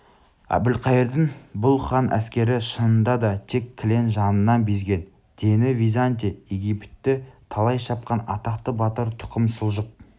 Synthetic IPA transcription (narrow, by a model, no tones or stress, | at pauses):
æ̰bɪlqʰɑjəɾd̪əŋbʊlˠχɑnʔæ̰skʲe̞ɾɪʃənənd̪ɑd̪ɑt̪ʰe̞kʲʰːɪle̞nʒɑnənːɑnbezɡʲe̞n | d̪̥enɪvijzant̪̬ejeɡʲipt̪ːɪt̪ʰɑlˠɑjʃɑp̚qɑnɑ̰t̪ɑqt̪əbɑt̪əɾt̪ʰʊ̥qəmsəlˠʒəq̚